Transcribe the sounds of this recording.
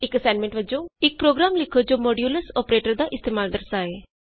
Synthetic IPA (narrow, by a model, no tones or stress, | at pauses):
ɪkəsãːɖmɛ̃ɳʈʋəd͡ʒõːɪk̚pɾoːɡɾaːmlɪkʰoːd͡ʒoːmɔːɖjuːləsɔːpɾeːʈəɾd̪aːʔɪst̪eːmaːlɖəɾsaːeː